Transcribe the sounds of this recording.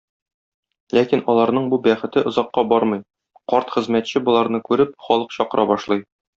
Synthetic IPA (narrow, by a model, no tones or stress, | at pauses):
lækinɒlˠɑɾnɤɴbubæχɘ̆t̪ɘʔŏzɑqːɑbɒɾmɤj | qɒɾt̪χɘ̆zmæt̪ɕɘbŏlˠɑɾnɤkʉɾɘp̚χɒlˠɤqɕɒqɤ̆ɾʔɑbɒʃlˠɤj